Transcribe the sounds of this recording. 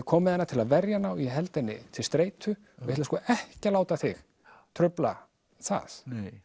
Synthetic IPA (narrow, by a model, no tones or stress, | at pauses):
kʰɔːmɪðɛnːat̪ʰɪlaðvɛɾjanawiɛɦɛlt̪ɛnːɪ̰t̪ʰɪlst̪ɾeːjt̪ʰʏ | ɪjht̪laskɔːʔɛhcalaːwt̪aθɪx | t̪ʰɾʏpla̰ | θa̰s